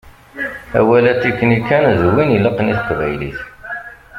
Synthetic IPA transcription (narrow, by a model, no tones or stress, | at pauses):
æ̰wælæt͡sːikːənikːænðwiniləqniθə̥qvæ̰jlḭθ